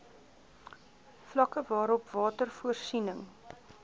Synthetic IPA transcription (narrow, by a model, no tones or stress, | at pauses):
flɐkəvɑːɾɔpvɑːtərfuərsinəŋ